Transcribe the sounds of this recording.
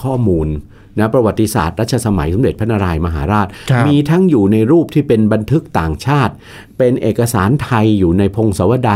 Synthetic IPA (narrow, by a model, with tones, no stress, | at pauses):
kʰɔː˥˩muː˧nː | a˦˥pɾa˧wa˨˩t̪ːi˧˦sa̰ː˨˩t̪̚ɾa˥t̪̚t͡ɕʰa˧sa˧ma˩˦jso˩˦mɾe˨˩t̪̚pʰa˦˥na˧ɾaː˧jma˧ɦaː˩˦ɾaː˥˩t̪̚mmiː˧t̪ʰa˦˥˩ŋjuː˨˩na˧jɾuː˥˩p̚t̪ʰiː˥˩pe˧nba˧nt̪ʰɯ˦˥k̚t̪aː˨˩ŋt͡ɕʰaː˥˩t̪̚ | pe˧nʔeː˨˩kːa˧saː˩˦nt̪ʰa˧jːuː˨˩na˧jpʰo˧ŋsa˩˦wa˧daː˧